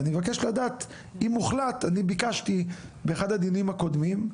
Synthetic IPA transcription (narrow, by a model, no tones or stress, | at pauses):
nimevakeʃladat̪ | imːuχlat̪anibikaʃtibeeːχad̪ad̪inimako̞d̪mim